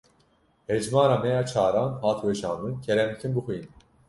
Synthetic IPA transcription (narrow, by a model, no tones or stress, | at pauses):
hɛd͡ʒmɑːɾaːmɛjaːt͡ʃʰaːɾɑːnhɑːt̪ʰwɛʃɑːnd̪ɨncʰɛɾɛmikʰinbɨxujin